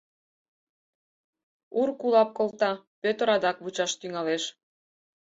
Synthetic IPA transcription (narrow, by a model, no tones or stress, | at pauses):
urkulɑp̚kolt̪ɑpøt̪əɾɑd̪ɑkβut͡ɕɑʃt̪yŋɑleʃ